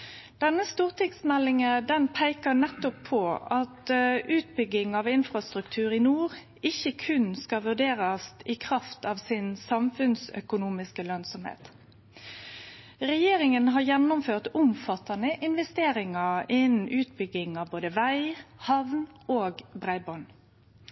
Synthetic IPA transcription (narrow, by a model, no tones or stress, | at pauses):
d̪̥ɛnːəst̪uːʁt̪ʰɪksmɛlːɪŋəd̪ɛnpʰæɪkənɛt̪ːɔpʰːɔɑt̪ʉːt̪bʏɡɪŋɑʋɪnfɾɑst̪ʁʉkt̪ʰʉːɾɪnuːʁ | ɪçːəkʰʉnskɑʋʉʁɖ̪eːʁɑst̪ɪkʰʁɑft̪ɑːʋsɪnsɑmfʉnsœ̰kʊnuːmɪskəlœnsɔmhḛːt̪ | ʁɛjeːɾɪŋənɦɑjɛnːʊmføːʁt̪ʊmfɑt̪ɑnəʔɪnʋɛst̪eːɾɪŋɑɪnn̩ʉːt̪bʏɡɪŋɑʋboːd̪əʋæɪhɑʋnoːɡbʁæɪbɔn